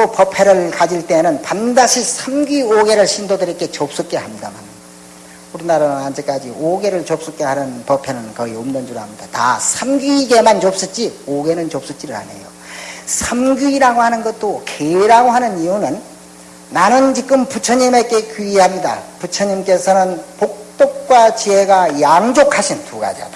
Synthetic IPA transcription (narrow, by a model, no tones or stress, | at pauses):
kopʌpʰe̞ɾɯɭkad͡ʑiɭt͈e̞nɯnpandaɕʰisʰamɡioɡe̞ɾɯɭɕʰindodɯɾek͈e̞t͡ɕop̚s͈ɯk͈e̞ɦamɲidama̰n | uɾinaɾanɯnand͡ʑek͈ad͡ʑioɡe̞ɾɯɭt͡ɕop̚s͈ɯk͈e̞hanɯnpʌpʰe̞nɯnkʌiomdʌnd͡ʑuɾɦamɲidata̰sʰamɡuiɡe̞mant͡ɕop̚s͈ɯt͡ɕ͈ioɡe̞nɯnt͡ɕop̚s͈ɯɭt͡ɕ͈iɾɯɾa̰ne̞̰jo | sʰamɡjuiɾaɡohanɯnɡʌt̚t͈okeiɾaɡoɦanɯnijunɯnː | anɯnt͡ɕik͈̚ɯmput͡ɕʰʌɲimek͈e̞kiihamɲida̰put͡ɕʰʌɲimk͈e̞sʰʌnɯnpok̚t͈ok̚k͈wat͡ɕiɦe̞ɡajaŋd͡ʑokʰaɕʰintuɡa̰d͡ʑia̰da